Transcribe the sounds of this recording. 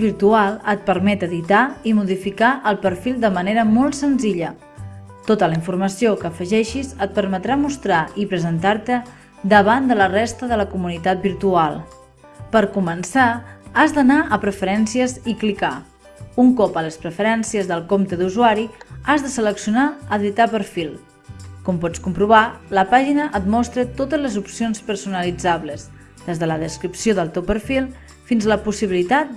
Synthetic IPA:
βiɾt̪ualˠət̪̚pəɾmɛt̪əðit̪aimuðifikaʔəlˠpəɾfilˠd̪əməneɾəmɔlˠt̪sənziʎə | t̪ot̪ələiɱfurməsiokəːfəʒɛʃizət̪̚pəɾmət̪ɾamust̪ɾaipɾəzənt̪aɾt̪ə | d̪əβand̪ələrest̪əðələkumunit̪at̪̚biɾt̪ualˠ | pəɾkumənsaazd̪ənaʔəpɾəfəɾɛnsiəziklika | uŋkɔpələspɾəfəɾɛnsiəzðəlˠkomt̪əðuzuaɾiazðəsələksiunaəðit̪apəɾfilˠ | kɔmpɔt͡skumpɾuβaləpaʒinəʔət̪mɔst̪ɾət̪ot̪əzləzupsionspəɾsunəlid͡zaβləz | ðezðələðəskɾipsijoðəlˠt̪ewpəɾfilˠ | finzləpusiβilit̪at̪̚

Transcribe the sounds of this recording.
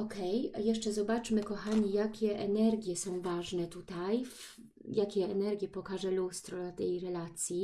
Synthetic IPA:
ɔkɛjjɛʂt͡ʂɛzɔbat͡ʂmɘkɔxaɲijakʲɛʔɛnɛɾɡʲjɛsɔ̃w̃vaʐnɛt̪ut̪ajf | jakʲɛɛnɛɾɡʲjɛpɔkaʐɛlust̪ɾɔlat̪ɛjɾɛlat̪sʲji

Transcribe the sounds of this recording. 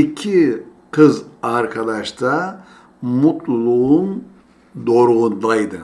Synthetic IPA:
icʲʰi | kʰɯzaɾkʰad̪aʃt̪ʰa | mut̪lˠulˠuun | d̪oɾɣund̪ajd̪ɯ

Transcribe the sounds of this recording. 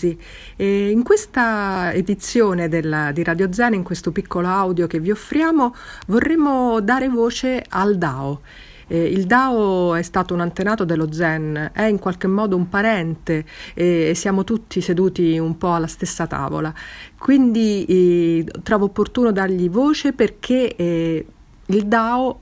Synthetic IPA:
i | iŋkwest̪aed̪it̪sːjoːned̪eld̪iɾad̪jod̪zɛniŋkwest̪opikʰːoloawd̪jok̟evːiofːɾjaːmovorːemːod̪aːɾevoːt͡ʃeald̪aːo | ild̪aːoɛst̪aːt̪ounant̪enaːt̪od̪elːod̪zɛnɛiŋkwalk̟emːɔːd̪oumpaɾɛnt̪eː | sːjaːmot̪ut̪ʰːised̪uːt̪iumpɔalːast̪esːat̪a̰ːvo̰lakwind̪i | t̪ɾɔːvoːpːort̪uːnod̪arʎivoːt͡ʃeperk̟ʰe | ild̪aːo

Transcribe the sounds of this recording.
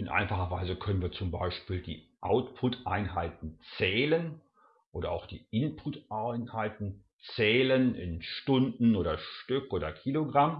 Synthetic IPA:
ɪnʔa̰ɪnfaχɐvaɪzəkʰœnənviːɐt͡sʊmba̰ɪʃpiːldḭːʔa̰ʊtpʰʊtʔa̰ɪnɦaɪtn̩t͡sɛːlən | ʔoːdɐaʊxd̥ḭːʔɪnpʰʊtʔaɪnhaɪtn̩ | t͡sɛːlənɪ̰nʃtʊndn̩oːdɐʃtʏkʔoːdɐkʰiːloɡʁam

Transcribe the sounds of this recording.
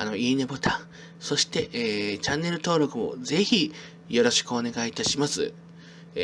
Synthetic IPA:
a̰no̞iːnebot̪ʰãɰ̃ | so̞ɕi̥t̪e̞ʔeːt͡ɕãnːe̞ɾɯ̟t̪o̞ːɾo̞kɯ̟mo̞̰d͡ze̞çi | jo̞ɾo̞ɕi̥kɯo̞ne̞ɡait̪aɕimasɨ̰

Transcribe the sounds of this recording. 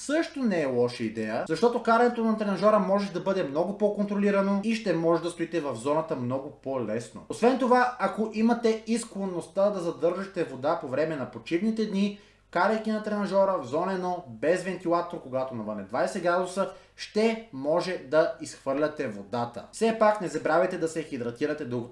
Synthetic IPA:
sɤʃt̪onɛɛlˠɔʃəid̪ɛjəzɐʃt̪ɔt̪okaɾɐnɛt̪onɐt̪ɾɛnɐʒɔɾəmɔʒɛd̪ɐbɤd̪ɛmnɔɡʊpokont̪ɾoliɾɐnoiʃt̪ɛmɔʒɛd̪ɐst̪oit̪ɛvɐvzɔnɐt̪əmnɔɡʊpolɛsno̰osvɛnt̪ovaɐkoʔimɐt̪ɛisklˠonːost̪ad̪ɐzɐd̪ɤɾʒɐt̪ɛvod̪apovɾɛmɛnɐpot͡ʃivnit̪ɛd̪ni | kaɾɐjk̟inɐt̪ɾɛnɐʒɔɾəvzɔnɛnɔbɛzvɛnt̪ilˠat̪oɾkoɡat̪onɐvənɛd̪vajsɛɡɾad̪osə | ʃt̪ɛmɔʒɛd̪ɐisxvɤɾlʲɐt̪ɛvod̪at̪ə̰fsɛpaknɛzɐbɾavɛt̪ɛd̪ɐsɛxid̪ɾɐt̪iɾɐt̪ɛd̪uɡ̪

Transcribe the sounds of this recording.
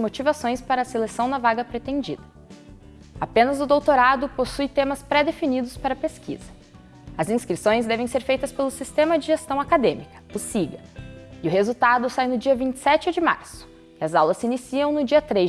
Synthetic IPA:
mot͡ʃivasõj̃spaɾɐːselesɐ̃w̃d̪ɐvaɡɐpɾet̪ẽnd͡ʒḭd̪ɐ | apẽnɐzʊd̪owt̪oɾad̪ʊposujt̪ẽmɐspɾɛd̪efinid̪ʊspaɾɐpeskʰḭzɐ | ɐzĩskɾisõj̃zd̪ɛvẽj̃seɾfejt̪ɐspelʊsist̪ẽmɐd͡ʒɪʒest̪ɐ̃w̃akad̪ẽmikɐ̥usiʎɐ̰ɪʊhezuwt̪ad̪ʊsajnʊd͡ʒiɐvĩnt͡ʃɪ̥sɛt͡ʃɪd͡ʒɪma̰ɾsʊ̥ | ɪɐzawlɐsinisiɐ̃w̃nʊd͡ʒiɐt̪ɾe

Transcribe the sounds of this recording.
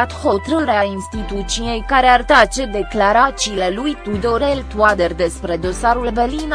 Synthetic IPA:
at̪ho̞t̪ɾəɾeainst̪it̪ut̪sije̞jkaɾe̞art̪at͡ʃe̞d̪e̞klaɾat̪siːle̞lujt̪ud̪o̞ɾelt̪uad̪erd̪e̞spɾe̞d̪o̞saɾulberlin

